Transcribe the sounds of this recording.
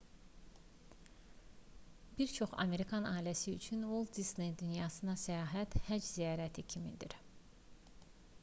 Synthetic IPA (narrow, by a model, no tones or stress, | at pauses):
b̥iɾt͡ʃʰo̞χɑ̰me̞ɾikʰɑnɑːilæsiyt͡ʃʰynulˠd̪isnejd̪ynjɑːsɯnɑsæjɑːɦæt̪hæd͡ʒzijɑːɾæt̪ʰicʰimḭd̪ḭɾ